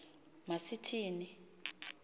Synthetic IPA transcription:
masitʰiːni

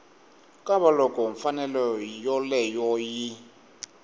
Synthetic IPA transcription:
kʼaβalɔkʼɔɱfanɛlɔjɔlɛjɔjɪ

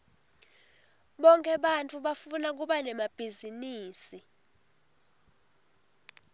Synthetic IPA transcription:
ɓɔŋkʼɛɓantʼuɓafunak̬uɓanɛmab̥ʱiziniːsi

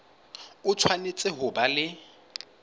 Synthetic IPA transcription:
ʊt͡sʰwanet͡sʼɪɦʊbalɪ

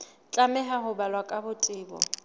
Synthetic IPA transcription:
t͡ɬʼamɛɦaɦʊbalwakʼabʊtʼɪːbɔ̰

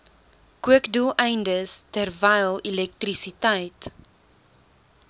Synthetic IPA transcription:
kuəkdulˠɛjndəstərvɛjlˠilɛk̚trisitɛjt

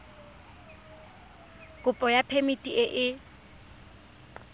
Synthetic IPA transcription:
kʼʊpʼɔjapʰemitʼiʔeʔɪ

